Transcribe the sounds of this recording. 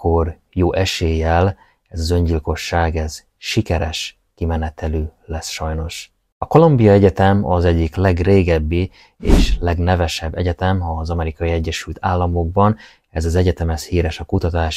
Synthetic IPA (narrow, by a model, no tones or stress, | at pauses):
kor | joːʔɛʃeːjɛl | ɛzɒzø̞ɲɟilko̞ʃːaːɡɛz̥ | ʃikɛɾɛʃ | kimɛnɛt̪ʰɛløːlɛsʃɒjno̞ʃ | ɒko̞lombijɒɛɟɛt̪ɛmɒzɛɟːiklɛɡreːɡɛbːi | eːʃlɛɡnɛvɛʃɛbːɛ̰ɟɛt̪ɛmɒzɒmɛɾikɒiɛɟːɛʃylt̪ʰaːlːɒmo̞ɡ̚bɒn | ɛzɒzɛɟɛt̪ɛmɛshiːɾɛʃɒkut̪ɒt̪aːʃ